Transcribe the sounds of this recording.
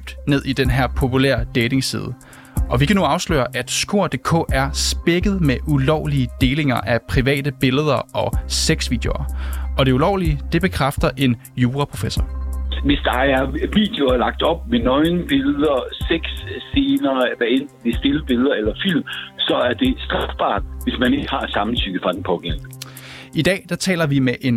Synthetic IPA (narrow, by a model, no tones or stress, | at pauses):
b̥d̥ne̝ð̞̰ˠid̥enɦæɐ̰pʰo̝pʰulæ̰ɐ̰d̥eɪde̝ŋsḭːð̞ˠə | ʔɒ̽ʋikʰænuɑ̈ʊslø̰ːɐʔæd̥sɡ̥o̝ɐ̰d̥e̝̰ːkʰɔ̰̽ːʔæɐsb̥eɡ̥əð̞̩ˠmeʔulɒʊliəd̥e̝ːle̝ŋɐʔæpʰʁiʋɛ̰ːd̥əb̥e̝ləð̞ˠɐɒ̽seɡ̥sʋḭːd̥eo̝ɐɒ̽d̥e̝ulɒʊlid̥e̝b̥e̝kʰʁafd̥ɐʔe̝n | juːʁɑpʰʁo̝fesɐʋe̝sd̥ɑ̈æɐʋḭːd̥e̝oɐlɑ̈ɡ̥̚d̥ɒ̽b̥̚menɒɪnb̥e̝ləð̩ˠɐseɡ̥sse̝ːnɐːʋæend̥nn̩ʋesd̥e̝ləb̥e̝lð̞ˠɐelɐfil̰msɒ̽æɐd̥e̝sd̥ʁɑfb̥ɑ̰̈ːd̥ʋe̝smæne̝ɡ̥əhɑ̈sɑ̈mn̩t͡sʰy̰ːɡ̥əfʁɑ̈d̥en̩pʰɒ̽ɡ̥en̰nəid̥ɛ̰ːd̥ɑ̈t͡sʰɛ̰ːlɐʋimeʔe̝n